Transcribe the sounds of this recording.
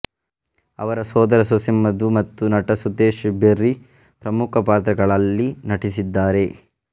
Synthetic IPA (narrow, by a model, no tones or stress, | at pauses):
ɐ̰ʋɐɾɐsoːd̪ɐɾɐsosimɐd̪umɐt̪ːunɐʈɐsud̪eːʃbeɾːi | pɾɐmukʰɐpaːt̪ɾɐɡɐɭɐlːinɐʈisid̪ːaːɾe̞